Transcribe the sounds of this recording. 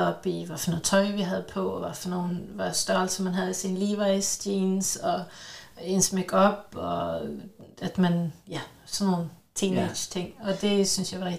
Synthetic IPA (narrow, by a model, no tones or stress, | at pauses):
ɒb̥iʋæfnoð̩ˠt͡sʰɒ̽ɪʋiɦæðˠpʰɒʋɑfɒno̝ːnʋɑ̈sd̥ɒlsəmænɦæð̞ˠisinliːʋɑ̈ɪsd̥iːnsɒ̽ | ensmeɡ̥ɒ̽b̥ɒ | æd̥mænjæ | sɒnːo̝ːn̩ | t͡sʰiːned̥ɕt͡sʰeŋ̰ɒ̽d̥e̝synsjɑ̈ɪʋɑɛ